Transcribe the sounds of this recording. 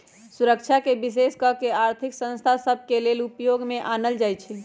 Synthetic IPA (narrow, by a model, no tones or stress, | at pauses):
suɾəkt͡ʃʰakebis̬eskəkeaɾt̪ʰiksə̃nst̪ʰasəbʱkelelupjoɡmeʔanəld͡ʒajt͡ʃʰi